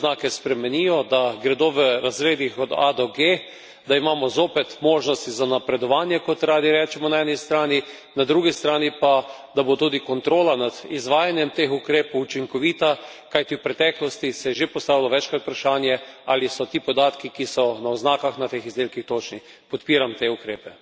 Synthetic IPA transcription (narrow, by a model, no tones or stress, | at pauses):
znaːkɛspɾɛmɛnijɔd̪aɡɾɛd̪oːʋəɾazɾeːd̪ixɔd̪a̰d̪oɡe | d̪aimaːmɔzoːpɛt̪moːʒnɔst̪izanapɾɛd̪ɔʋaːnjɛkɔt̪ɾaːd̪iɾɛːt͡ʃɛmɔnaɛnist̪ɾaːni | nad̪ɾuːɡist̪ɾaːnipa | d̪abot̪uːd̪ikɔnt̪ɾoːlanad̪izʋaːjanjɛmt̪eːxukɾeːpowut͡ʃiŋkɔʋiːt̪akajt̪iwpɾɛt̪ɛːklɔst̪isɛjɛʒepɔst̪aːʋilɔʋɛt͡ʃkɾat̪̚pɾaʃaːnjɛalisɔt̪iːpɔd̪aːt̪kikisɔnaɔznaːkaxnat̪eːxizd̪eːlkixt̪ot͡ʃni | pɔt̪piːɾamt̪eukɾeːpɛ